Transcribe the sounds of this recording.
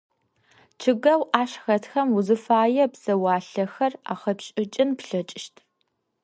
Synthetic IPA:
t͡ʃʰɨɡɐwʔaːɕxɐtxɐmuzɨfaːjɛpz̥ɐwaːɬɐxɐra̰ːχɐpɕʼɪt͡ʃʼɪnpɬɐt͡ʃʼɪʃtʰ

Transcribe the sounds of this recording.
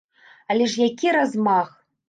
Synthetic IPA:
alʲɛʂjakʲiɾazmax

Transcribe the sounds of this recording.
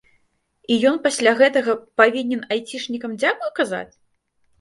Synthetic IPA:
ijɔn̪pasʲlʲaɣɛt̪ɐɣɐpavʲinʲɛnajt͡sʲiʂnʲikɐmd͡zʲakujkaza̰t͡sʲ

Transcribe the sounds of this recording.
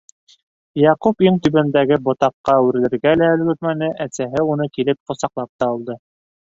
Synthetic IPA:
jɑqupiɴt̪ɵβænd̪æɡɘbŏt̪ɑqːɑʉɾɘ̆lɘ̆ɾɡælæɵ̆lɡɵ̆t̪mænɘʔæsæɦɘunɤkilɘp̚qŏsɑqlˠɑp̚t̪ɑulˠd̪ɤ

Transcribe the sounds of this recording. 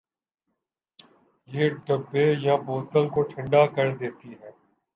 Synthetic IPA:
jeːɖəbːejaboːt̪əlkoʈʰɪ̃ɳɖakɐɾd̪eːt̪iɦɛː

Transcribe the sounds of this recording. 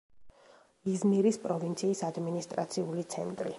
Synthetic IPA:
izmiɾispʼɾɔvint̪sʰiːsad̪minist̪ʼɾa̰t̪sʰiulit̪sʰɛ̰nt̪ʼɾḭ

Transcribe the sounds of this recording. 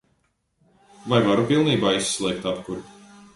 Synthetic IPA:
vajvaɾupilˠniːbaːisːlˠɛːk̚t̪apkuɾ

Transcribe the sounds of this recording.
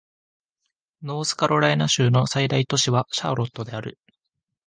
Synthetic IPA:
no̞ːsɨ̥kaɾo̞ɾainaɕɨːno̞said̪ait̪o̞ɕiβaɕa̰ːɾo̞t̪ːo̞d̪e̞aɾɯ̟

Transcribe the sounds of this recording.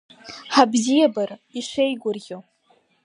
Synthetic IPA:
ħabzijabariʃejɡʷʊrɡʲo

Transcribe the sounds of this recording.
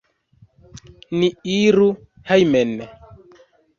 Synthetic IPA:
niiɾu | hajmɛnɛ

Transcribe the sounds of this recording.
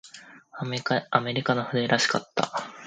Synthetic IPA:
ame̞ɾʲikanoɸɯ̟d̪eɾaɕi̥kat̪ːa̰

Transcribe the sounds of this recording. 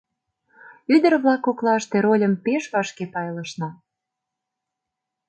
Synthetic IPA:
yd̪ə̆rβlɑkːoklɑəʃt̪eɾolʲə̆mpeʃβɑʃkepɑjləʃnɑ

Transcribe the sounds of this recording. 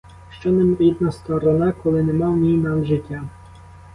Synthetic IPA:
ʃt͡ʃɔnɪmʲid̪̚nɐst̪ɔɾɔnɑkɔlˠɪnɛmɑwnʲijnɑmʒɪtʲːa

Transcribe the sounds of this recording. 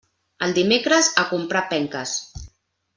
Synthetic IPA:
əlˠd̪imekɾəzakumpɾapɛŋkəs

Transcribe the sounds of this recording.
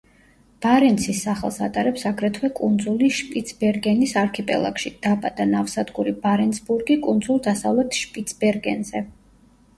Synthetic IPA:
b̥aɾɛnt̪sʰisːaχɛ̰lˠsa̰t̪ʼaɾɛpsaɡɾɛt̪ʰwɛkʼund̪zuliʃpʼit̪sʰbɛɾɡɛnisaɾkʰɛpʼɛ̰lˠa̰kʃid̪̥abʼad̪̥anafsad̪ɡuɾibaɾɛnsbuɾɡikʼund̪zulˠd̪asavlɛt̪ʰʃpʼit̪sʰbɛɾɡɛnzɛ

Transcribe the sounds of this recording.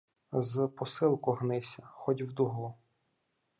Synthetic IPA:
zpɔsɪlˠkʊɦnɪsʲɐxɔdʲwd̪ʊɦʊ

